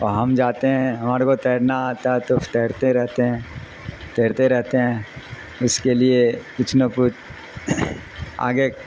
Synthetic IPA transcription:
ɔːɾɦɐmd͡ʒaːt̪eɦɛ̃ɦɐmaːɾekot̪ɛːɾnaaːt̪aɦɛt̪o̥t̪ɛːɾt̪eɾɛɦt̪eɦɛ̃ː | t̪ɛːɾt̪eɾɛɦt̪eɦɛ̃ː | ʊskeliekʊt͡ʃʰnopʊt͡ʃ | a̰ːɡe

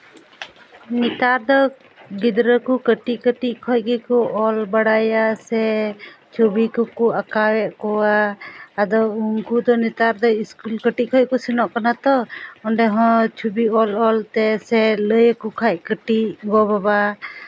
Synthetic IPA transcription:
nit̪aɾd̪ɔ | ɡid̪ɾəkukəʈiʔkəʈiʔkʰɔc̚ɡikɔʔɔlbaɽajasɛ | t͡ʃʰubikɔkɔakawɛʔkɔwaː | d̪ɔuŋkud̪ɔnit̪aɾd̪ɔiskulkəʈiʔkʰɔj̚kɔsinɔʔkanat̪ɔɔɳɖɛɦɔ̃t͡ʃʰubiɔlɔlt̪ɛsɛləjkɔkʰaʔkəʈiʔɡɔbaba

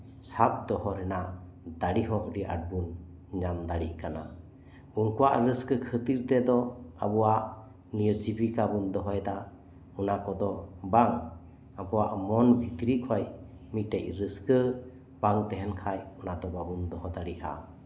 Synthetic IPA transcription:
sap̚d̪ɔhɔɾɛna | d̪aɽiɦɔʔɖiʔa̰ʈ̚bun | ɲamd̪aɽiʔkana̰ | uŋkuwaʔɾəskəkʰət̪iɾt̪ɛd̪ɔa̰bɔwaʔ | niɾd͡ʒibikabund̪ɔɦɔjd̪a | unakɔd̪ɔbaŋ | abɔwaʔmɔnbʱit̪ɾikʰɔj | mit̪̚ʈɛʔ̚ɾəskə | baŋt̪ɛɦɛnkʰajunad̪ɔbabund̪ɔɦɔd̪aɽiʔa̰

